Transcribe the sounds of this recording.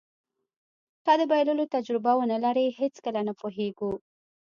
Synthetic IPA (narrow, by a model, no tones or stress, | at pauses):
t̪ɑd̪əbajlulot̪ad͡ʒɾɪbawənalaɾehet͡skəlanapoɦeɡu